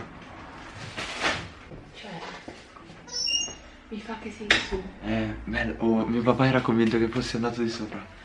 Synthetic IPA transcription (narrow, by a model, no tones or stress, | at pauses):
t͡ʃɛ | mifakːesisɛbɛlːʔomiopapaɛːɾakːoɱvint̪ok̟efːosːeand̪aːt̪od̪isoːpɾa